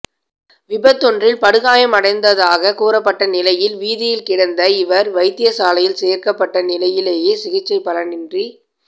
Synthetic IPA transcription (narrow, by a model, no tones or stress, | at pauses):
ʋɪbɐt̪ːɔndrɪlpɐɽɯɣaːjɐmɐɽɐɪnd̪ɐðaːɣɐkuːɾɐpːɐʈːɐnɪlɐjɪlʋiːðɪjɪlkɪɽɐnd̪ɐɪʋɐɾʋɐɪt̪ːɪjɐsaːlɐjɪlseːɾkɐpːɐʈːɐnɪlɐjɪleːjeːsɪɣɪt͡ʃːɐɪpːɐlɐnɪndri